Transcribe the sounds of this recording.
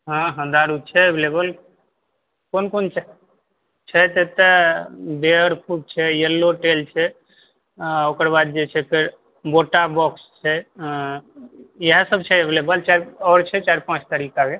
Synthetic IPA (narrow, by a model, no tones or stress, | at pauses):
ɦãɦə̃d̪aɾut͡ʃʰɛeblebəl | konkont͡ʃ | t͡ʃʰɛt̪ət̪əbeəɾpʰuk̚t͡ʃʰɛjəlːoʈelt͡ʃʰɛ | okəɾbad̪̚d͡ʒet͡ʃʰɛkəɾ | boʈabɔkst͡ʃʰɛ | jeɦə̃səb̚t͡ʃʰɛeblebəlt͡ʃaɾɔɾt͡ʃʰɛt͡ʃaɾpãt͡ʃt̪əɾikake